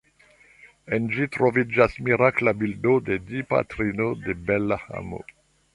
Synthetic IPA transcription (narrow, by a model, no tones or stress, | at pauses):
end͡ʒitɾovid͡ʒasmiɾaklabildodedipa̰tɾinodebelaha̰mo̰